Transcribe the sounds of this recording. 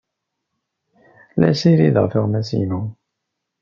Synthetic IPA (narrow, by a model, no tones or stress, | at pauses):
læ̰ʃiɾiðəʁfiʁmæsḭnu